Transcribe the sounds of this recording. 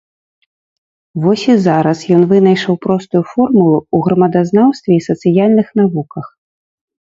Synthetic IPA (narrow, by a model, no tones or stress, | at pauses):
vɔsʲizaɾɐsjɔnvɨnɐjʂɐwpɾɔst̪ujufɔrmulˠuuɣɾɐmɐd̪aznawst̪vʲɛisɐt̪sɨjalʲnɨxnavukɐx